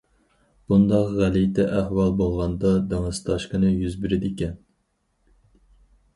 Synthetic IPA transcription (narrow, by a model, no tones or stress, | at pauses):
b̥und̪ɑqʁælijt̪ɛʔæhwɑlˠbolˠʁɑnd̪ɑd̪eŋɨzt̪ʰɑʃqənɨjyzbɪɾɪd̪ɪkʲɛn